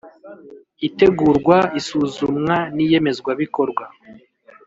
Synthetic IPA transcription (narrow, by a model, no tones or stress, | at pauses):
ite̞ɡuːɾɡwaisuːzumŋanije̞me̞zɡwaβiko̞ɾɡwa